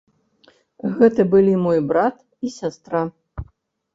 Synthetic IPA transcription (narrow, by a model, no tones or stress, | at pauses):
ɣɛt̪ɐbɨlʲimɔjbɾat̪ | isʲast̪ɾa